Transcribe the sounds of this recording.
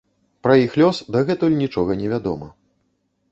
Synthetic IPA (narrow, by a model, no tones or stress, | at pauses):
pɾɐjixlʲɔsd̪ɐɣɛt̪ulʲnʲit͡ʂɔɣɐnʲɛvʲad̪ɔ̰mɐ